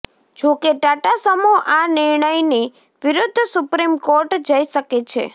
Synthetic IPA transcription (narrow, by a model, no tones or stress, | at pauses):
d͡ʒokeʈaʈasəmoʔanɪɾɳəjni | ʋɪɾʊd̪ʱːsupɾimkoɾʈd͡ʒəiʃəket͡ʃʰḛ